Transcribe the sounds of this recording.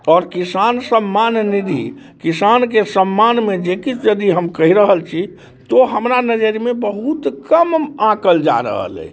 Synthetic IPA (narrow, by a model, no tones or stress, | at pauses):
ɔɾkisansəmːannid̪ʱḭ | kisankesəmːanmed͡ʒekit͡ʃd͡ʒəd̪iɦəmkəɦiɾəɦəlt͡ʃʰi | t̪oɦəmɾanəd͡ʒəɾimebəɦut̪kəmãkəld͡ʒa̰ɾə̰ɦə̰lɛ̰i